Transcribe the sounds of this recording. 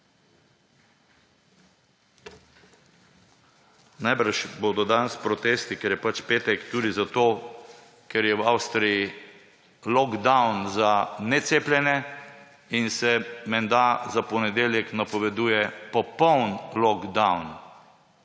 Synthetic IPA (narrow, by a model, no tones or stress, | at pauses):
najbəɾʃboːd̪ɔd̪anspɾɔt̪est̪ikɛɾjɛpat͡ʃpeːt̪ɛkt̪uːd̪izat̪oː | kɛɾjɛwawst̪ɾiji | lɔɡd̪awnzanɛt̪seːplʲjɛnɛ | insɛmɛnd̪azapɔnɛd̪eːljɛknapɔʋɛd̪uːjɛpɔpɔwnlɔɡd̪awn